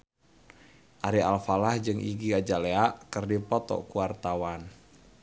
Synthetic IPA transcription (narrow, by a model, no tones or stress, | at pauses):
ʔaɾialfalahd͡ʒɨŋʔḭɡiad͡ʒaleaʔkɨrdipɔt̪ɔ̰kuart̪awan